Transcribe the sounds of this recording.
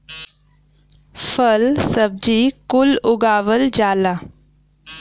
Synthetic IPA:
fəlsəb̚d͡ʑiːkuluɡaʋəld͡ʑala

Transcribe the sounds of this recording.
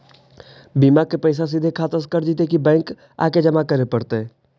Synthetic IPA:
biːmakepəɪs̬as̬ɪd̪ʱekʰaːt̪əskəɾd͡ʒit̪ekibɛ̃ːŋk | a̰ːked͡ʒəmakəɾepəɽt̪e

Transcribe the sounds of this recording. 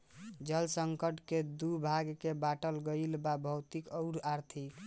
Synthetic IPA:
d͡ʒəlsəŋkəʈked̪ubʱaɡkebaʈəlɡəjlbabʱəwt̪ikɔʊɾaɾt̪ʰik

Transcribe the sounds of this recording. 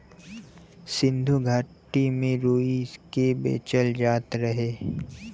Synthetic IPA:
sɪ̃nd̪ʱuɡʱaːʈimẽɾoːiskebḛːt͡ʃəld͡ʒaːt̪ɾəɦeː

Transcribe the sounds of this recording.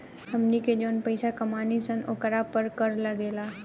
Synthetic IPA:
hɐmniked͡ʒoːnpəɪsakɐmaːnisənʔo̰kəɾapəɾkəɾlaɡeːlaː

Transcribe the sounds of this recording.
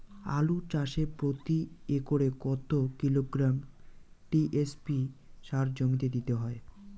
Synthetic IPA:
a̰lut͡ɕaʃeɾpɾot̪iekoɾekɔt̪okiloɡɾam | ʈiʔespiʃaɾd͡ʑomit̪ed̪it̪eɦɔe

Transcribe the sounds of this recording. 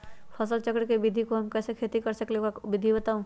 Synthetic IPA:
pʰɐsəlt͡ʃɐkɽkebɪd̪ʱikoɦɐmkɛːsekʰeːt̪ikɐɾsɐkleabɪd̪ʱibɐt̪aːũ

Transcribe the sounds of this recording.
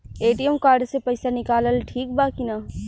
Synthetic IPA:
eːʈiɛmkaːɾɖsepɐjsanɪkaːləlʈʰiːk̚baːkinaː

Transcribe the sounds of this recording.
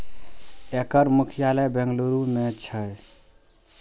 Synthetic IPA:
ekəɾmukʰijaləjbẽŋɡluɾumet͡ʃʰəj

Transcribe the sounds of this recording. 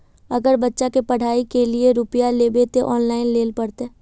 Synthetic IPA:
ɐɡəɾbɐtːʃakepɐɽ̤ʱaːikelieɾʊpijalebeːt̪eʔɔːnlaːɪnleːlpɐɽt̪eː

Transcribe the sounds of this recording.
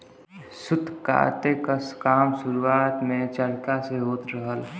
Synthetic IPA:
sʊd̪ʱka̰ːɾt̪ekəskaːmsʊɾuaːt̪mẽt͡ʃəlkaseɦoːt̪ɾəɦəl

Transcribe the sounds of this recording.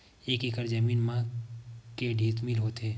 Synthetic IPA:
eːkikəɾd͡ʒəmiːnmã | keɖʱiːt̪mɪlɦoːt̪eː

